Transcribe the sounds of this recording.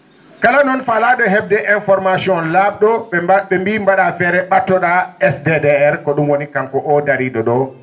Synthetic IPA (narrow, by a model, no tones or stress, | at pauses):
kalanɔnfalaɗɔɦɛb̚dɛʔɛnfɔɾmasiɔnlaɓ̚ɗɔɓɛaɓɛmbiːmbaɗafɛɾɛɓatːɔɗaɛsdedɛɛɾkɔɗumwonikaŋkɔʔɔdaɾiɗɔɗɔ